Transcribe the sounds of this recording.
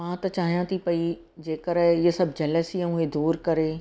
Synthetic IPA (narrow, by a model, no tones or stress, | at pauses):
mãːt̪ɐt͡ʃaːɦijãt̪ʰipɐi | d͡ʒeːkəɾesɐbd͡ʒɐləsijãʊɦed̪uːɾkɐɾeː